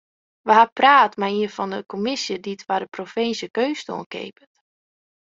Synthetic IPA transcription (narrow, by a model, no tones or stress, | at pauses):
ʋəɦapraːtmajiəfɔndəkomɪsjəditʋadəprofɪnsjəkøːsto̰ənkḛːpət